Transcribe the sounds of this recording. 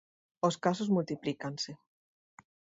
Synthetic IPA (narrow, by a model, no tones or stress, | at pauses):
oskasozmult̪iplikanse